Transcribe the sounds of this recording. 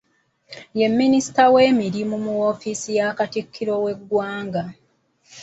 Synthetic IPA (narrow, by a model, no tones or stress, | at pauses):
je̞mːinisi̥tawe̞ːmiɾimumuwofisijakatikʰːiɾo̞we̞ɡːwaːŋɡa